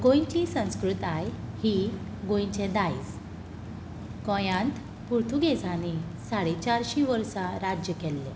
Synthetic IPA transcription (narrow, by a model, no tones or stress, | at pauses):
ɡõjɲt͡ɕisə̃w̃skɾut̪ajhi | ɡõjɲt͡ɕɛ̃d̪ajd͡z | kɔ̃jãnt̪ | puɾt̪ʰuɡed͡zʱane | saɽet͡ɕaɾɕĩʋəɾsaɾad͡ʑjəkɛlːe